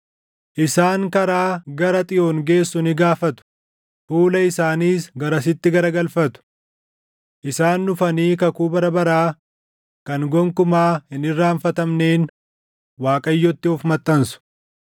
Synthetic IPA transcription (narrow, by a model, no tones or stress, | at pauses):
ʔɪsaːŋkɐɾaːɡɐɾɐt̪ʼɪjoːŋɡe̞ːsːʊnɪɡaːfɐt̪ʊ̥ | fuːlɐɪsaːniːsɡɐɾɐs̬ɪt̪ːɪɡɐɾɐɡɐlfɐt̪ʊ̥ | ʔɪsaːnːʊfɐniːkɐkuːbɐɾɐbɐɾaː | kɐŋɡɔŋkʊmaːhɪnɪrːaːɱfɐt̪ɐmneːn | waːkʼɐjːɔt̪ːɪʊfmɐt̪ʼːɐnsʊ̥